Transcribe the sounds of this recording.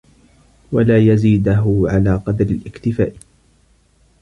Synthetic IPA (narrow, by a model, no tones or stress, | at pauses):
walaːjaziːd̪aɦʊʕalaːqɑd̪ɾɪlʔɪkt̪ɪfa̰ːʔ